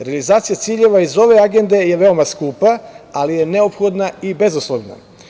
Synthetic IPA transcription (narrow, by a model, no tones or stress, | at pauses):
ɾealizaːt̪sijat̪siːʎe̞ʋaizo̞ʋe̞aɡe̞nd̪e̞jeʋeo̞maskuːpaalije̞ne̞opxo̞d̪naibe̞zuslˠoʋna̰